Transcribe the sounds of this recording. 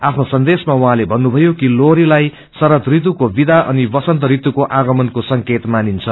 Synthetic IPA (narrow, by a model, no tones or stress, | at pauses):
apʰnosʌnd̪esmawuɦãlebʱʌnːubʱʌjokiloɾilaj | sʌɾʌt̪rit̪̬ukobid̪ʱaʔʌnibʌsʌnt̪ʌɾit̪ukoʔaɡʌmʌnkosʌŋket̪manint͡sʰʌ